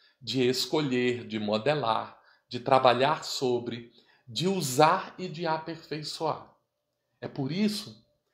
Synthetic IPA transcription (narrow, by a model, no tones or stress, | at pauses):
d͡ʒɪeskoʎeɾd͡ʒɪmod̪ela̰ɾ | d͡ʒɪt̪ɾabaʎaɾsobɾɪ | d͡ʒɪuzaɾɪd͡ʒɪapeɾfejsua̰ɾ | ɛpoɾisʊ